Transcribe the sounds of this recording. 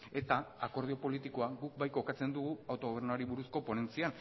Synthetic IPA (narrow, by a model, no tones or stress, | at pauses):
e̞t̪aako̞ɾðio̞po̞lit̪iko̞aɡuk̚bajko̞kat͡se̞nd̪uɣuawt̪o̞ɣo̞β̞e̞ɾnuaɾiβuɾusko̞po̞ne̞nt͡sian